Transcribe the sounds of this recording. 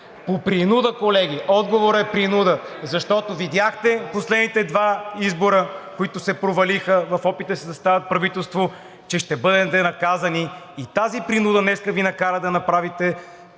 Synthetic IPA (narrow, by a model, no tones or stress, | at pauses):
popɾinud̪əkolɛɡʲiʔɔd̪ɡovoɾəɛpɾinud̪əzɐʃt̪ɔt̪ovid̪ʲjaxt̪ɛposlɛd̪nit̪ɛd̪vaizboɾəkoit̪ʊsɛpɾovɐlixəvɐfɔpit̪əsizɐst̪avɐt̪̚pɾɐvit̪ɛlˠst̪vo | t͡ʃɛʃt̪ɛbɤd̪ɛt̪ɛnɐkazɐniː | t̪azipɾinud̪ənɛskəvinɐkaɾəd̪ɐnɐpɾavit̪ɛ